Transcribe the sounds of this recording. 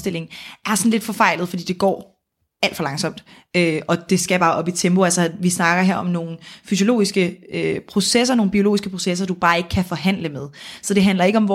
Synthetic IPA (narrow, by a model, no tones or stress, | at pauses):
d̥e̝l̰e̝ŋ̩ʔæɐsɒ̽nle̝d̥fɒ̽fɑ̈ɪ̰lð̩ˠfɒ̽dḭːd̥eɡ̥ɒ̰ː | æl̰d̥fɒlɑ̈ŋsɒ̽m̰d̥ | øʔɒ̽d̥e̝sɡ̥æb̥ɑ̈ːʔɒ̽b̥it͡sʰemb̥o̝ælsɐʋisnɑ̈ɡ̥ɐɦeɐ̰ɒ̽mno̝ːn̩fys̬jo̝lo̝̰ːisɡ̥əøpʰʁo̝ses̬ɐno̝ːn̩b̥io̝lo̝ːisɡ̥əpʰʁo̝ses̬ɐd̥ub̥ɑ̈ːe̝ɡ̥əkʰæfɒ̽ɦæn̰ləmeð̞ˠsɒ̽d̥e̝ɦænlɐe̝ɡ̥əɒ̽mʋɒ